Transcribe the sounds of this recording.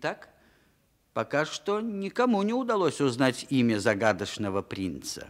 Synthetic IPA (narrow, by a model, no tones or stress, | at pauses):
t̪ak | pɐkaʂt̪onʲɪkɐmunʲɪʊd̪ɐlˠosʲʊznatʲimʲəzɐɡad̪əʂnəvəpɾʲint̪sə̰